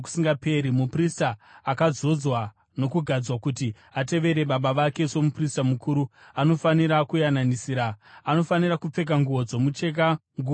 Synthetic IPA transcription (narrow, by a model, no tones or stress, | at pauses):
ku̥siŋɡape̞ɾimupristaːkad͡zo̞d͡zwa | no̞kuɡʱad͡zwakuti | ate̞ʋe̞ɾe̞ɓaɓaʋake̞so̞mupristamukuːɾuano̞faniɾakujananisiːɾaːno̞fanirakup͡fe̞k̬aŋɡuʋo̞d͡zo̞mut͡ʃe̞k̬aŋɡu